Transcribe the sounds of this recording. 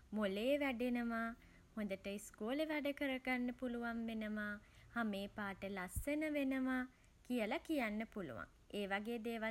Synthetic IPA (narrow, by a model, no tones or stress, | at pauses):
molejeʋæɖenəʋa | hõnd̪əʈəiskuːleʋæɖəkəɾəkɡanːəpuluʋanʋenəʋa | hameːpaːʈəlasːənəʋenəʋa | kijəlakijanːəpulṵʋa̰ŋ | eːʋaɡeːd̪eːʋa